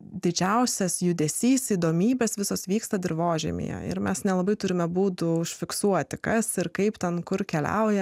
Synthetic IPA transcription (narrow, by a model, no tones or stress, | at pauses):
d̪ʲɪd͡ʒʲɛʊsʲɛsjʊd̪ʲɛsʲiːsiːd̪oːmʲiːbʲeːsʋʲɪsoːsʋʲiːkst̪ɐd̪ʲɪɾʋoːʒʲɛ̰mʲḛjɛ̰ɪ̰ɾmʲɛsnʲɛlˠɐbɐɪt̪ʊɾʲɪmʲɛbuːt̪ʊʊʃʲfʲɪksuɔt̪ʲɪkɐsɪɾkɐɪpt̪ʲɛnkʊɾkʲɛlʲɛ̰ʊjɛ